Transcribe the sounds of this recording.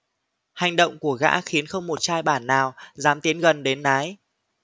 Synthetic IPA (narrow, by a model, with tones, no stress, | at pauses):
ha˨˩jŋ̟ɗə̰˧˨wŋ͡mku˧˩əɣa̰ː˧˥xi˨˦ənxə˧wŋ͡mmo˨˩t̚t͡ɕaː˧jɓaː˧˩nːaː˨˩wzaː˨˦mt̪i˨˦ənɣə˨˩nɗe˨˦nːaː˨˦j